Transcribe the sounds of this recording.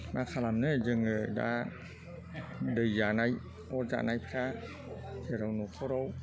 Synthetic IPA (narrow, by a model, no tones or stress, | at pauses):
makʰalamnɯd͡ʒɯŋɯda̰ | dɯjzanaj | od͡ʒa̰ːnajpʰɾa | tʰeɾawnukʰoɾow